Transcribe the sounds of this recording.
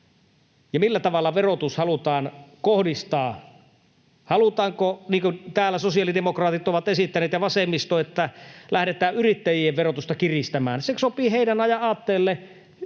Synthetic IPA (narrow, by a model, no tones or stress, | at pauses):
jɑmilːæt̪ɑʋɑlːɑʋerot̪ushɑlut̪ɑːnkohdist̪ɑː | hɑlut̪ɑːŋkoniːŋkunt̪æːlːæsosiɑlidemokrɑːt̪it̪oʋɑt̪esit̪ːæneːt̪jɑʋɑsemːist̪oet̪ːælæhɾet̪æːʔʔyrit̪ːæjieʋʋerot̪ust̪ɑkirist̪æmæ̰ːnsesopiːheˑidænɑjɑɑːt̪ːeːlːe